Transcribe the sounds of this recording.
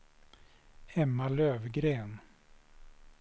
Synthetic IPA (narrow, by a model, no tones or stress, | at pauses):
ɛmːaløːvɡɾeːn